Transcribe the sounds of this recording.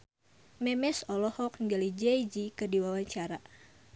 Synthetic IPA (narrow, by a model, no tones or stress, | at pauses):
mɛmɛsɔlɔhɔk̚nɡalid͡ʒɛjd͡ʒikɨrdiwawaɲt͡ʃaɾa